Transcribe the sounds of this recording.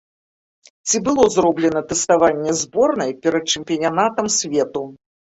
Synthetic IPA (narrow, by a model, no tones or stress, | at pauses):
t͡sʲibɨlˠɔzrɔblʲɛnɐt̪ɛst̪avanʲːɛzbɔrnɐjpʲɛɾɐt̪̚t͡ʂɨmʲpʲiɐnʲanat̪ɐmsʲvʲɛt̪u